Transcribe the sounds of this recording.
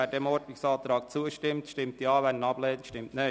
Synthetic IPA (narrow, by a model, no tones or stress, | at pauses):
ædɛmɔɾdnɪksɑːt̪ɾɑːk̚t͡suəʃtɪmtʃtɪmtiɑːʋɛnənɑb̥lɛːnʃtɪmtne